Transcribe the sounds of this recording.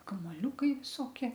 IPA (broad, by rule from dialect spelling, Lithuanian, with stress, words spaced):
kɐmoːˈlʲuːkɐɪ ʋʲɪˈsoːkʲiɛ